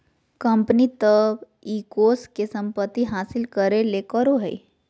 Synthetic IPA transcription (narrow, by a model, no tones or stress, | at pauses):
kəmpənit̪əb | iːkoskesəmpət̪ːiɦaːsɪlkəɾelekəɾoɦə̰i